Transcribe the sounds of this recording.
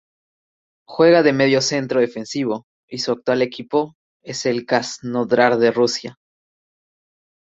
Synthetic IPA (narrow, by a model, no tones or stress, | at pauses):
xwe̞ɣaðe̞me̞ð̞jo̞se̞nt̪ɾoðe̞fe̞nsiβo̞ | isuak̚t̪wale̞kʰipo̞ | e̞se̞lkaznoðɾaɾðe̞rusja